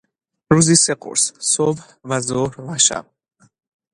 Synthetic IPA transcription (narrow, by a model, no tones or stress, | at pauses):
ɾuzisɛqʼṵɾssɔb | vazɔɾvaʃa̰